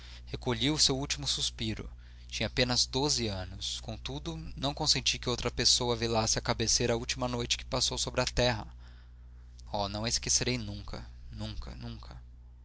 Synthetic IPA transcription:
hekoʎiwʊsewuwt͡ʃimʊsuspiɾʊ̰ | t͡ʃĩɲɐapẽnɐzd̪ozɪɐ̃nʊskõt̪ud̪ʊnɐ̃w̃kõsẽnt͡ʃikɪowt̪ɾɐpesowɐvilasɪakabeseɾɐuwt͡ʃimɐnojt͡ʃɪ̥kɪ̥pasowsobɾɪɐt̪ɛɦɐ | ɔnɐ̃w̃eskeseɾejnũkʰɐ̰ | nũkɐ̰nũŋkʰɐ

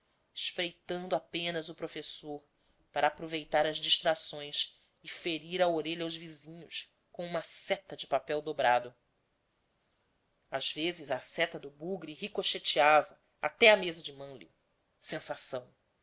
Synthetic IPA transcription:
ɪʃpɾejt̪ɐ̃nd̪ʊapẽnɐzʊpɾofesoɾ | paɾɐːpɾovejt̪aɾɐzd͡ʒiʃt̪ɾasõj̃s | ɪfeɾiɾɐoɾeʎɐawʒvizĩɲʊʃ | kõũmɐsɛt̪ɐd͡ʒɪpapɛwd̪obɾad̪ʊ | azvezɪzasɛt̪ɐd̪ʊbuɡɾiɦikoʃet͡ʃiavɐ | a̰t̪ɛɐmezɐd͡ʒɪmɐ̃ljʊ | sẽsasɐ̃w̃

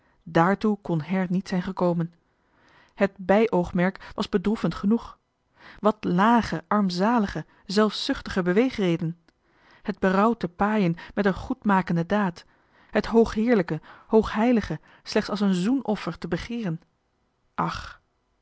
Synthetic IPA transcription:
daːɹtukɔnɦɛɹnitsɛjnχəkowmən | həd̚bɛjʔowχmɛɹkʋɑzbədrufəntχənuχ | ʋɑtlaːχəʔɑɹmzaːləχə | zɛlˠfsʏχtəχəbəʋejχrejdən | həd̚bərɑwtəpaːjənmɛtənχutmaːkəndədaːt | ɦətɦowχɦɪːɹləkəhowχɦɛjləχə | slɛχtsɑlˠsənzunɔfəɹtəbəχɪːrən | ʔɑχ

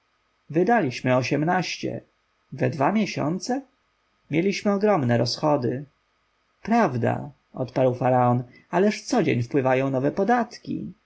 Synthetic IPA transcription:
vɘd̪alʲiɕmɘɔɕɛmnaɕt͡ɕɛ̰ | vɛd̪vamʲjɛɕɔ̰nt̪sɛ | mʲjelʲiɕmɘɔɡɾɔmnɛɾɔsxɔd̪ɘ | pɾavd̪a̰ | ɔ̰t̪paɾwfaɾaɔn | alɛʂt̪sɔd͡ʑḛɲfpwɘvajɔ̃w̃nɔvɛpɔd̪at̪kʲḭ

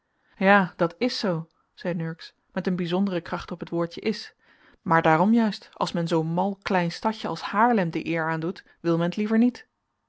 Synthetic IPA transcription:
jaːdɑtɪsow | z̥ɛjnɵɹks | mɛtənbizɔndərəkrɑχtɔpɦətʋʊːɹtəʔɪs | maːɹdaːɾɔmjœɥstɑ̰lˠsmɛnzownmɑlˠklɛjnstɑcəɑ̰lˠshaːɹlɛmdəʔɪːɹaːndut | ʋɪlˠmɛnətlivəɹnit

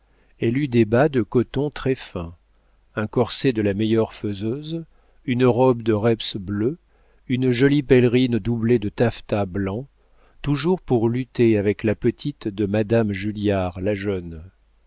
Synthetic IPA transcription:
ɛlyd̪ebad̪əkɔt̪ɔ̃t̪χɛfɛ̃ | ɛ̃kɔʁsed̪əlamɛjœʁføzøz | ynʁɔbd̪əʁɛpsblø | ynʒɔlipɛlʁind̪ubled̪ət̪aft̪ablɑ̃ | t̪uʒuʁpuʁlyt̪eavɛklapət̪ʰit̪d̪əmad̪amʒyljaʁlaʒœn

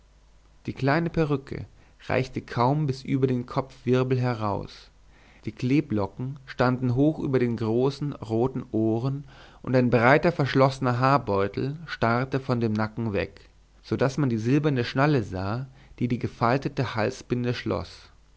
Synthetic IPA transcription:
d̥iːkl̥aɪnəpʰɛʁ̞ʏkʰə̰ | ʁa̰ɪçtəkʰaʊmbɪsʔyːbɐdeːnkʰɔp͡fv̥ɪɐbl̩ɦɛɐʁaʊs | d̥iːkl̥eːblɔkŋ̩ʃtandn̩ɦoːxʔy̰ːbɐɾeːnɡʁoːsn̩ʁoːtn̩ʔoːʁənʔʊntaɪnbʁaɪtɐfɛɐʃlɔsənɐɦaːɐbɔʏtl̩ʃtaʁtəfɔndeːmnakŋ̩vɛ̰k | z̥odasmandiːzɪlbɐnəʃnaləzaːd̥iːdiːɡəfaltətəhalsb̥ɪndəʃlɔ̰s

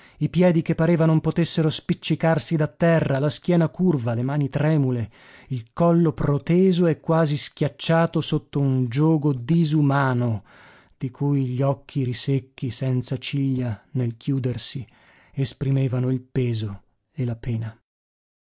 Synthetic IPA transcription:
ipjɛːd̪ikepːaɾeːvanompot̪esːeɾospit͡ʃːikarsid̪at̪ːɛrːalask̟jɛːnakurvalemaːnit̪ɾɛːmule | ilkɔlːopɾot̪ɛːzoɛkːwaːziskʲjat͡ʃːaːt̪osot̪ːound͡ʒɔːɡod̪izumaːno | d̪̥ikʰujʎɔkʰːiɾisekʰːisɛnt̪sat͡ʃiʎːanelkʰjuːd̪ersi | espɾimeːvanoilpɛːzo | elapɛːna

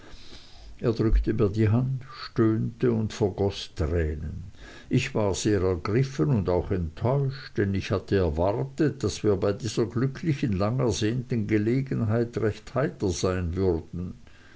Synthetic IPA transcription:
ʔeːɐdʁʏktəmiːɐdiɦandʃtøːntəʊntfɛɐɡɔstʁɛːnən | ʔɪçv̥aːʁz̥eːʁɛɐɡʁɪfənʊndaʊxɛntʰːɔʏʃtd̥ɛnɪçhatʰəɛɐvaʁtət̚d̥asv̥iːɐbaɪdiːz̥ɐɡlʏkʰlɪçənlaŋɛɐzeːntənɡəleːɡənɦaɪtʁɛçthaɪtɐz̥aɪnvʏʁd̥n̩

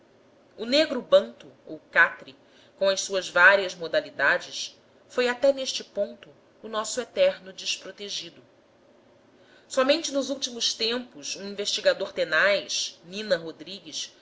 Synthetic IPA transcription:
ʊneɡɾʊbɐ̃nt̪ʊowkat̪ɾɪ | kõɐjssuɐzvaɾiɐzmod̪alid̪ad͡ʒɪs | fojat̪ɛneʃt͡ʃɪpõnt̪ʊː | nɔsʊet̪ɛɾnʊd͡ʒɪʃpɾot̪eʒid̪ʊ | sɔmẽnt͡ʃɪnʊzuwt͡ʃimʊʃt̪ẽmpʊʃũĩveʃt͡ʃiɡad̪oɾt̪enajʃnĩnɐɦod̪ɾiɡiʃ

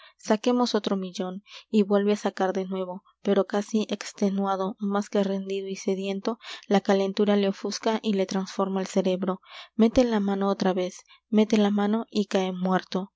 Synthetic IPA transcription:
sake̞mo̞so̞t̪ɾo̞miʎo̞niβwe̞lβeasakaɾðe̞nwe̞βo̞ | pe̞ɾo̞kasiʔekst̪e̞nwað̞o̞maskere̞nd̪iðoise̞ðje̞nt̪o̞lakale̞nt̪uɾaleofuskaʔile̞t̪ɾansfo̞ɾmaelse̞ɾe̞βɾo̞me̞t̪elamãnoot̪ɾaβe̞s | me̞t̪elamãno̞ʔikaemwe̞ɾt̪o̞

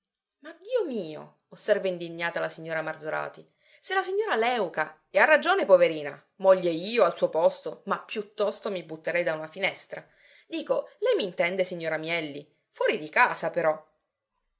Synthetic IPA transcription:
mad̪ːiːomiːo̰ | osːɛrvaind̪iɲːaːt̪alasiɲːoːɾamard̪zoɾa̰ːt̪i | selasiɲːoːɾalɛwka | earːad͡ʒoːnepoveɾiːna̰ | mɔʎːeiːoalsuːopɔst̪omapːjut̪ːɔst̪omibut̪ːeɾɛjd̪aunafinɛst̪ɾa | d̪iːkolɛjmint̪ɛnd̪esiɲːoːɾamjɛlːi | fwɔːɾid̪ikaːsapeɾɔ

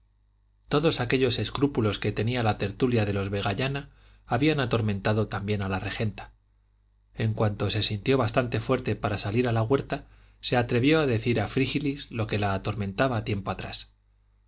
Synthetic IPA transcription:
t̪o̞ðo̞sake̞ʎo̞se̞skɾupulo̞ske̞t̪e̞nialat̪e̞ɾt̪uljaðe̞lo̞zβe̞ɣaʎanaː | βianat̪o̞ɾmẽ̞nt̪aðo̞t̪ambje̞nalare̞xe̞nt̪ḁ | e̞ŋkwant̪o̞se̞sint̪jo̞βast̪ant̪e̞fwe̞ɾt̪e̞paɾasaliɾalaɣwe̞ɾt̪a | se̞at̪ɾe̞βjo̞aðe̞θiɾafɾixilizlo̞ke̞laːt̪o̞ɾmẽ̞nt̪aβaːt̪je̞mpo̞at̪ɾa̰s

